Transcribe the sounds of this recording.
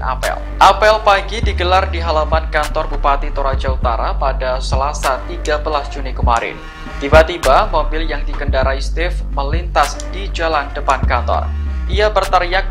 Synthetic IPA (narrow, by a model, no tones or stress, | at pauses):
na̰pɛ̰l | ʔapɛlpaɡidiɡəlardiɦalamankant̪ɔrbupat̪it̪oɾad͡ʒaut̪aɾapadasəlasat̪iɡabəlasd͡ʒunikəmaɾɪ̰n | t̪ibat̪ibamobɪljaŋdikəndaɾaist̪ɪfməlint̪as | d̥id͡ʒalandəpankant̪ɔ̰rʔiabərt̪əɾijak̚